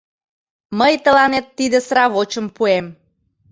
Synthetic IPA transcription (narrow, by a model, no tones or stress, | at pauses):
məjt̪əlɑnet̪ːid̪əsɾɑβot͡ɕəmpuem